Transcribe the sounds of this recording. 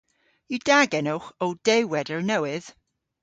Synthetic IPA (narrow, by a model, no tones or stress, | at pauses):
idaɡɛnʊχowd̥ejwɛdəɹnɛwɪð̥